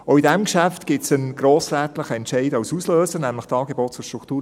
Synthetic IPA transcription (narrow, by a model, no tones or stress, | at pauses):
oidɛmkʃæftɡ̥ɪtsənɡ̥ɾoːsɾɛt̪lɪχəɛntʃɛɪdɑwsusløːsəɾnæmləχtɑːɡebɔt̚t͡sʊʃtɾukʰtuːɾ